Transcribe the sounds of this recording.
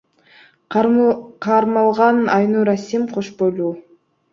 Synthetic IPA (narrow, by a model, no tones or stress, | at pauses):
qʰɑɾmɑlˠʁɑnɑjnuɾasʲimqʰoʃbolˠu